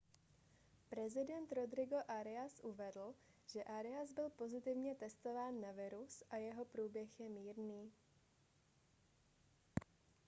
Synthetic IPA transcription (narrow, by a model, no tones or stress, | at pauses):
pɾɛzɪdɛnt̪ɾod̪ɾɪɡo̞ʔaɾɛasʔuvɛdl̩ | ʒ̥ɛʔaɾɛazbɪlpo̞zɪt̪ɪvɲɛt̪ɛst̪o̞vaːnːavɪɾusʔajɛɦo̞pɾuːbjɛxjɛmiːɾniː